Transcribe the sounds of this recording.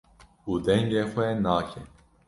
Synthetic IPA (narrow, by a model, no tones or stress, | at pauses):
uːd̪ɛŋɡeːxʷɛnaːkʰɛ